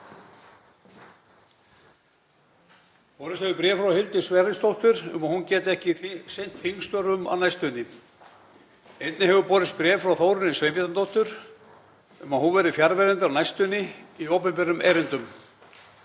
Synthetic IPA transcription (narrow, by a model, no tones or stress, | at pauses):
pɔːɾɪst̪hɛvʏpɾjɛːfɾawhɪlt̪ɪ̥svɛːɾɪst̪owht̪ʏɾʏ̰maðhuncɛːt̪ɪɛhcɪsejn̥t̪θiŋst̪œɾʏma̰wnajst̪ʏnːɪ | ejt̪nɪɦɛvʏpɔːɾɪst̪̚pɾjɛːfɾaːwθoːwɾʏnɪsvejmɪt̪ant̪owht̪ʏɾ̥ | ʏmaðhɦunvɛɾɪfjaɾvɛɾɛnt̪ɪawnajst̪ʏnːɪiowpɛmpɛɾʏmʔɛːɾɪnt̪ʏm